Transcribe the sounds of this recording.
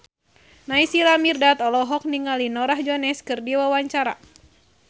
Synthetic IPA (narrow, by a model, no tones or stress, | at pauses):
naisilamirdat̪ɔlɔɦɔk̚niŋalinɔɾahd͡ʒɔnɛskɨrdiwawaɲt͡ʃaɾa̰